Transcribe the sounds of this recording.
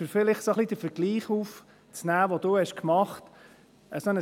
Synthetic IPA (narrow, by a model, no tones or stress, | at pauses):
ʏɾfɪlɪχsoχlid̪əfəɾɡ̥liːχuf | t͡snæːʋod̥̪uhɛʃkmɑχt | əsɔnə